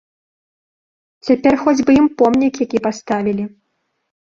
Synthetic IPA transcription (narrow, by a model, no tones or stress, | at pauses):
t͡sʲapʲɛrxɔd͡zʲbɨjimpɔmnʲikjakʲipast̪avʲilʲi